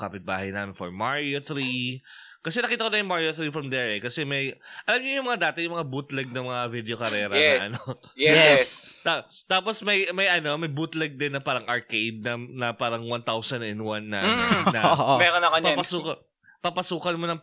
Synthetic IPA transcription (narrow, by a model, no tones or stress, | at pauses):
kaːpɪt̪̚ba̰ːhɐjnaːmɪnfo̰ɹmaɹjoθɾi | kɐs̬ɛnɐkiːt̪ɐkonɐjʊŋmaɹjoθɾifɹɐmd̪ɛɹɛkɐsɛmɐjʔɐlamɲɐjʊŋmɐŋad̪aːt̪ɪjʊŋmɐŋabut̪lɛɡ̚nɐmɐŋavɪd̪ɛokɐɾɛːɾɐnɛʔɐnojɛɛst̪at̪aːposmɐjmɐjʔɐno̞mɐjbut̪lɛɡ̚d̪ɪnːɐpaːɾɐŋʔɐɹkejd̪̚nɐnɐpaːɾɐŋwant̪awsɐnɐʔɛnwanːɐ̰ːnɐmɛɾonɐkopapɐsuːkɐ | papɐsuːkɐnmonɐŋ